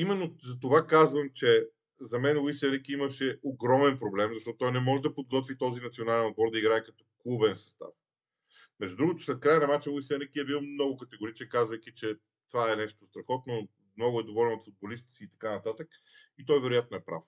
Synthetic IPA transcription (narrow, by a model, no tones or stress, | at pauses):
imɛnːozɐt̪ovakazvəmt͡ʃɛ | zɐmɛnwisɛɾɛkiimɐʃɛoɡɾɔmɛnpɾoblɛmzɐʃt̪ɔt̪ʊt̪ːɔjnɛmɔʒɛd̪ɐpod̪̚ɡɔt̪vit̪ɔzinɐt̪sionalɛnod̪̚bɔɾd̪ɐiɡɾaɛkɐt̪ɔ̥klˠubɛnsɐ̥st̪a̰f | mɛʒd͡ʒd̪ud̪ɾuɡot̪ʊ̥slɛt̪̚kɾajənɐmat͡ʃəwisɛnɾɛkiɛbilˠomnɔɡʊkɐt̪ɛɡoɾit͡ʃnɛkazvɐjk̟it͡ʃɛ | t̪ovaɛnɛʃt̪ost̪ɾɐxɔt̪no | mnɔɡʊɛd̪ovɔlʲɛnot̪fud̪̚bolist̪ɛsiːt̪ɐ̥kanɐt̪at̪ək | it̪ɔjvɛɾʊjat̪̚noɛpɾa̰f